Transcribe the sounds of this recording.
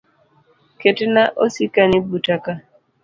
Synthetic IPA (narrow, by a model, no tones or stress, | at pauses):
ketenaʔosikanibutaka